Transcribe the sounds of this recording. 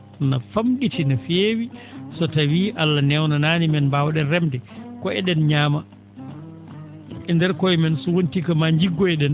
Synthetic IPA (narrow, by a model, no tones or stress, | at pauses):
nafamɗitinafeːwisɔtawiːʔalːanɛwnanaːnimɛnbawɗɛnrɛmdɛkɔʔɛɗɛnɲaːma | ɛndɛɾkɔjmɛnsɔwontikamaɲd͡ʒiɡːɔɛɗɛn